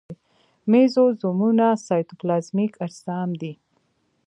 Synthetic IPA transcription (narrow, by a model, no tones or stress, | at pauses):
mezozomunasɑjt̪oplɑsmikaɾsɑːmd̪i